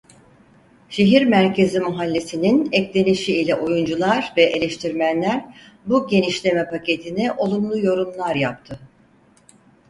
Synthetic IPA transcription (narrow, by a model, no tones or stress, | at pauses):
ʃe̞ɦiɾmæɾcʰe̞zimuɦalʲːesininɛclʲe̞niʃiilʲɛʔojund͡ʒulˠaɾvɛʔe̞lʲeʃt̪ʰiɾmænlʲæɾ | buɟe̞niʃlʲe̞mɛpʰacʰe̞t̪ʰinɛʔo̞lˠumlˠujo̞ɾumlˠaɾjap̚t̪ʰɯ